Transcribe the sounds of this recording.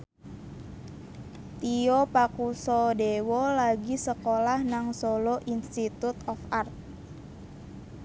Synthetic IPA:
t̪iopakusɔdewɔlaɡisəkolahnaŋsoloʔinst̪it̪ut̪ɔfart̪̚

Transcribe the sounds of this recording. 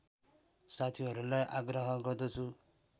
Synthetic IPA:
sat̪ʰiɦɔɾulajʔaɡɾɔɦɔɡɔd̪ɔt͡ʃʰu

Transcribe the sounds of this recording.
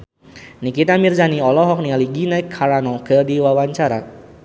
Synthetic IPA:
nikit̪amirzaniɔlɔɦɔk̚nialiɡinɛkʰaɾanɔkədiwawaɲt͡ʃaɾa

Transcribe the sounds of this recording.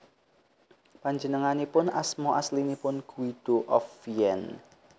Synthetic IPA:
paɲd͡ʒənəŋanipʊnasmɔʔaslinipʊnɡ̥uid̪̥oʔɔfiɛn

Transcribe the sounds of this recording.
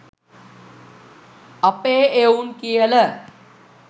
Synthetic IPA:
əpeeunkijələ

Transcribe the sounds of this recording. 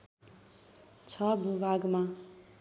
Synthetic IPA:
t͡sʰʌbubʱaɡma

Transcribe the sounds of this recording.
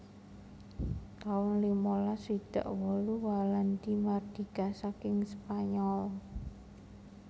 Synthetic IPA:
t̪aʊnlimolasid̪̥a̤̰ʔwɔluwaland̪imard̪̥i̤kasakɪŋspaɲɔl

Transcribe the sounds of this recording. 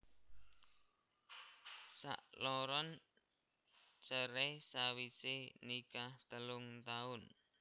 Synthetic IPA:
sa̰ʔlɔɾɔn | t͡ʃəɾesawisɪnikaht̪əlʊŋt̪aʊn

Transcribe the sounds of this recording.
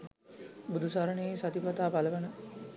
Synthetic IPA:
bud̪usaɾənejesat̪ipat̪aːpaləʋanə

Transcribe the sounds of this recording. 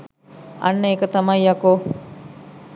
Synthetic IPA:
a̰nːəeːkət̪amajako

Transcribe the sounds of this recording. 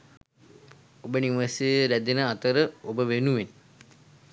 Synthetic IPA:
obəniʋəseəɾæd̪enəat̪əɾəobəʋenuʋen

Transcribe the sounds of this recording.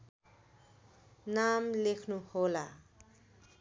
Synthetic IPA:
namlekʰnuhola

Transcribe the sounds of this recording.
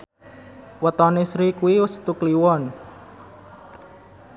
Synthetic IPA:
wət̪ɔnesɾikuwiwəst̪ukliwɔn

